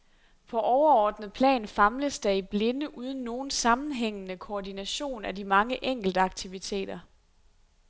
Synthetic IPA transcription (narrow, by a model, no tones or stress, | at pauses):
pʰɒ̽ʔɒʊɐɒːd̥nð̩ˠpʰlɛ̰ːnfɑ̈mləsd̥ɑ̈ib̥le̝nəʔuːð̞ˠn̩ːo̝ːn̩sɑ̈mn̩ɦeŋ̰ənəkʰoːdinæɕo̝̰ːnædimɑ̈ŋəʔeŋ̰ɡ̥l̩d̥əɑ̈ɡ̥̚t͡sʰiʋit͡sʰe̝̰ːd̥ɐ